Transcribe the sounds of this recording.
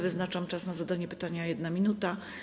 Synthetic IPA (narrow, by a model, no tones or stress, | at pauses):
vɘznat͡ʂamt͡ʂasnazad̪aɲɛpɘ̥t̪aɲajɛd̪namʲinut̪a